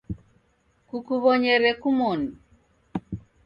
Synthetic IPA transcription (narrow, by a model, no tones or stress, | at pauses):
kukuβɔɲɛɾɛkumɔni